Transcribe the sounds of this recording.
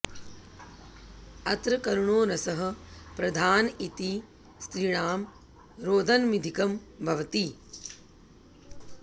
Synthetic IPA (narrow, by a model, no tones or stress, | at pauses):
ɐt̪ɾɐkɐɾuɳoːnɐsɐɦɐ̆pɾɐd̪ʱaːnit̪i | st̪ɾiɳaːm | ɾoːd̪ʱɐnmid̪ʱikɐmbʱɐʋɐt̪i